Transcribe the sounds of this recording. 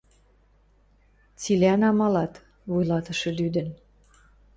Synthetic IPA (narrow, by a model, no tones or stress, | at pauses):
t͡sileænɑmɑlɑt̪ | vujlɑt̪ə̆ʃɤ̆lyd̪ə̆n